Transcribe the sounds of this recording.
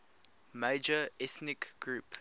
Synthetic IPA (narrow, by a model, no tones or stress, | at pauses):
meɪd͡ʒəɛθnɪkɡ̥ɹuːp